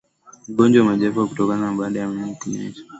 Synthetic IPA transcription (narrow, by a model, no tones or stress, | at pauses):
m̩ɡɔnd͡ʒwamaʄɛfaukutɔkananaɓaːɗajamimikuɲɛ̰d͡ʒḁ